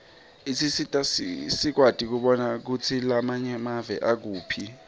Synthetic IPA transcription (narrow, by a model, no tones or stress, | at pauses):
isʰisitʼasisik̬watʼik̬uɓɔnak̬ut͡sʰilamaɲɛmavɛ̰ʔak̬uːpʰi